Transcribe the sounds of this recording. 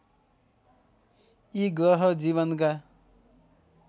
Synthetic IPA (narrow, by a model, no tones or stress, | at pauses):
iɡɾʌɦʌd͡ziβʌnka